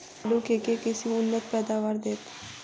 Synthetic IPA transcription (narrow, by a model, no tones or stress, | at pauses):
lukekekɪsiʊnːət̪̚pɛːd̪aːʋaːɾd̪eːt̪